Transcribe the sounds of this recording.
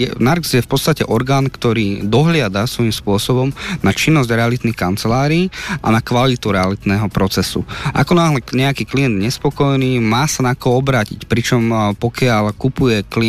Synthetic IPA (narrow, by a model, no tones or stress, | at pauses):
jɛnaɾɡzjɛfpɔtt͡sst̪acɛʔɔɾɡaːnkt̪ɔɾiːd̪ɔɦlɪad̪asʋɔjimspʊɔsɔbɔmnat͡ʃinːɔzɟɾɛalit̪nixkant͡sɛlaːɾiːʔa̰nakʋalit̪uɾɛalit̪nɛɦɔpɾɔt͡sɛsṵʔa̰kɔnaːɦlɛɲɛakiːklijɛnd̪ɲɛspɔkɔjniːmaːsanakɔɔbɾaːcḭcpɾit͡ʃɔmpɔkɪaʎkupujɛkli